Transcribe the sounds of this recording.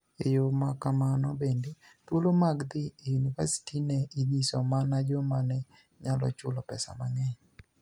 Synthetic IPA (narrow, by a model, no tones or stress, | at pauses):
ejomakamanɔbende | t̪wolomaɡd̪ɪenka̰si̥tʰinɛiɲisɔmanad͡ʒɔmanɛ | ɲalɔ̰t͡ʃʊlɔpɛsa̰maŋɛɲ